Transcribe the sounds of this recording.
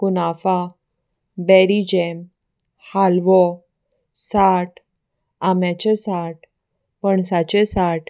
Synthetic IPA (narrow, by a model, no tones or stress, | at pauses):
kunafa | bɛɾid͡ʑɛm | halʋɔ | saʈ | amjat͡ɕesaʈ | pəɳsat͡ɕesaʈ